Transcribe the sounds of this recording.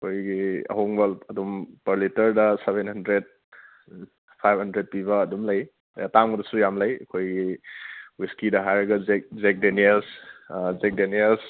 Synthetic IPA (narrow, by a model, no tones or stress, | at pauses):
ɐkʰojɡiɐ̰ɦoŋbɐɐdumpɐɾlitɐɾdɐseβenhɐndɾed̚ | pʰajbhɐndɾet̚pibɐːdumlɐj | jataŋɡɐdɐsujamlɐjɐkʰojɡi | wiskidɐɦajɾɐɡɐzek̚zek̚denielszek̚deniels